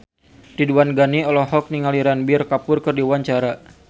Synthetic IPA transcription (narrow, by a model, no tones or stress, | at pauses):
diduanɡaniɔlɔɦɔk̚niŋaliɾanbɪrkapʊrkɨrdiwaɲt͡ʃaɾa